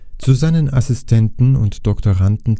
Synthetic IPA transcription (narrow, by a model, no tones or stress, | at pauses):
t͡suzaɪnənasɪstʰɛntn̩ʊ̰ntd̥ɔktoʁantn̩